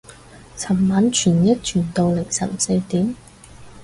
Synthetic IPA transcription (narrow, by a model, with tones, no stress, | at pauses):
t͡sʰɐ˨˩mːaː˨˥nt͡ʃʰyː˨˩njɐ˥t̚t͡ʃʰyː˨˩nt̪o˨˧wlɪ˨˩ŋsɐ̰˨˩mse˧jt̪iː˨˥m